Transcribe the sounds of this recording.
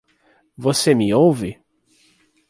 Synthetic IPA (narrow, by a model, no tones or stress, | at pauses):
vosemɪowvɪ